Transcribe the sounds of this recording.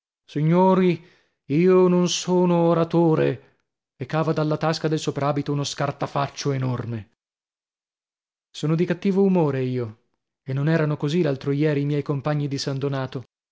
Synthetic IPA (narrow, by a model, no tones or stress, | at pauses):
siɲːoːɾi | iːononsoːnoːɾat̪oːɾḛ | ekːaːvad̪alːat̪askad̪elsopɾaːbit̪ounoskart̪afat͡ʃːoenorme | soːnod̪ikat̪ːiːvoumoːɾeiːo | enːonɛːɾanokozilalt̪ɾojɛːɾiːmjɛjkompaɲːid̪isand̪onaːt̪o